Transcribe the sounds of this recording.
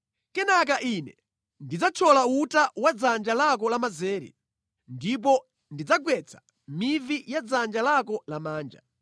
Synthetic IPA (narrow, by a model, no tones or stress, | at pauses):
kɛnak̬aʔinɛ | ndid͡zat͡ʃʰɔlautawad͡zand͡ʒalakɔlamazɛːɾḭ | ndip̬ɔ | ndid͡zaɡwɛt͡sʰḁ | mivijad͡zand͡ʒalakɔlamaːnd͡ʒa̰